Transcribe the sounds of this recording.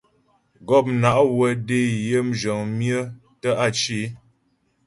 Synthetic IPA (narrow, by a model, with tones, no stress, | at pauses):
ɡɔ˦˨p̚na˨ʔwə˨de˦˨jə˦m̩˦d͡ʒə˨ŋmjə˦ | tə˦ʔa˦˨t͡ʃi˦